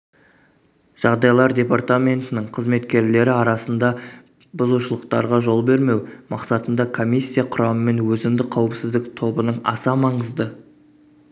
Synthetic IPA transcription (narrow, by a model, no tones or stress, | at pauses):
ʒ̥ɑʁd̪ɑjlˠɑɾd̪ʲe̞part̪amʲe̞nt̪ɪnɪɴqʰəzme̞t̪kʲe̞ɾle̞ɾɪɑɾɑsənd̪ɑ | bʊzuʃəlˠəq̚t̪ɑɾʁɑʒo̞lˠbe̞ɾme̞wmɑqsɑt̪ənd̪ɑkʰo̞mʲijsːijaqʰʊɾɑməme̞nwɵzɪmd̪ɪqʰɑwəpsɪzd̪ɪkt̪ʰo̞bənəɴɑ̰sɑmɑɴəzd̪ə